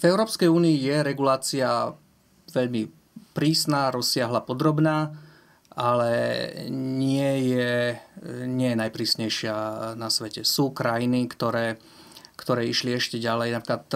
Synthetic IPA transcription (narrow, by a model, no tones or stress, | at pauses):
vɛʊɾɔːpskɛjuːniijɛɾɛɡulaːt͡sia | ʋɛʎmi | pɾiːsnaːɾɔsːɪaɦlapɔd̪ɾɔbnaː | ʔalɛ̰ | ɲɪɛjɛ | ɲɪɛjɛnajpɾiːsɲɛjʃɪanasʋɛcɛsuːkɾajinikt̪ɔɾɛː | kt̪ɔɾɛːiʃliɛʃcɛɟalɛjnapɾiklat̪